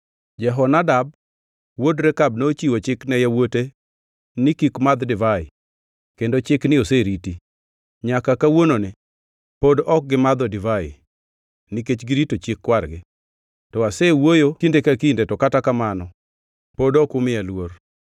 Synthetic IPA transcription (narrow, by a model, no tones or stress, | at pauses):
d͡ʒɛɦɔnadab̚ | wodɾɛkabnot͡ʃiwot͡ʃɪknɛjawote | nɪkikmad̪dɪvaɪ̰ | kendot͡ʃɪknɪoseɾiti | ɲakakawononɪ | podɔk̚ɡɪmad̪ɔdɪvaɪ̰ | niket͡ʃɡɪɾitot͡ʃɪkːwarɡɪ | tɔasewojotindekakindetɔkatakamanɔ | podɔkʊmɪalwor